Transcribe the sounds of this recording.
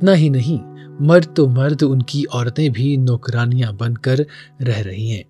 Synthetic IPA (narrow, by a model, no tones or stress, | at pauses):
ɪt̪naɦinɐɦĩ | mɐɾd̪̚t̪omɐɾd̪ʱʊnkiʔɔːɾt̪ẽbʱinɔːkɾaːnijãbɐ̃nd̪̚kɐɾː | ɛɦɾɐɦiɦɛ̃ː